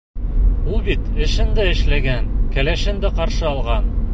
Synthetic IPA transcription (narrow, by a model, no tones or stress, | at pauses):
ulˠbit̪ɘ̆ʃɘ̆nd̪æɘ̆ʃlæɡænkælæʃɘ̆nd̪æqɑɾʃɤɒlˠʁɑn